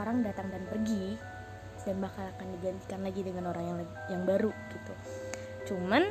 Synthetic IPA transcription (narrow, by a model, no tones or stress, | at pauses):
ɾaŋdat̪aŋdanpərɡi | sədaŋbakalakandiɡant̪i̥kanlaɡidəŋanoɾaŋja | jaŋbaɾuɡ̥it̪u | t͡ʃuman